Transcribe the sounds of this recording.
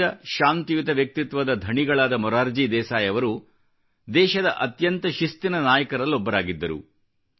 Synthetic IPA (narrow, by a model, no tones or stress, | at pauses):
ɐʃaːnt̪ijut̪ɐʋjɐk̚t̪it̪ʋɐd̪ɐd̪ʱɐɳiɡɐɭaːd̪ɐmɔɾaːɾd͡ʒiːd̪ɛːsaːjɐʋɐɾu | d̪ɛːʃɐd̪ɐʔɐt̪jɐnt̪ɐʃist̪inɐnaːjɐkɐɾɐlːɔbːɐɾaːɡid̪ːɐɾṵ